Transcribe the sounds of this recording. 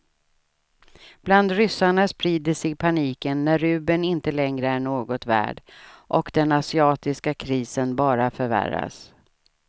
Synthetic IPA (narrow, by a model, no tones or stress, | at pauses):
b̥land̪ɾʏsːaɳaspɾiːd̪əsɪɡpʰaniːkənːæɾɾʉ̟ːbənɪnt̪əlɛŋɾəæɳoːɡɔt̪væ̰ːɖʔɔkd̪ɛnasɪɑːt̪ɪskakʰɾiːsənbɑːɾafœɾvæ̰ɾa̰s